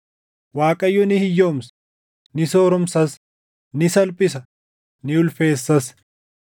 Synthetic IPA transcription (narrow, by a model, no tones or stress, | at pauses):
waːkʼɐjːʊnɪhɪjːo̞ːmsɐ̥ | nɪsoːɾɔmsɐs | nɪsɐlpʼɪsɐ | nɪʊlfe̞ːsːɐs